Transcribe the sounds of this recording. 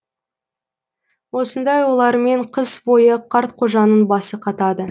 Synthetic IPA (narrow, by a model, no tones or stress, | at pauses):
wo̞sənd̪ɑjwo̞lˠɑɾme̞ɴqʰəzbo̞jəqʰɑɾt̪qʰo̞ʒɑnənbɑsəqʰɑt̪ɑd̪ə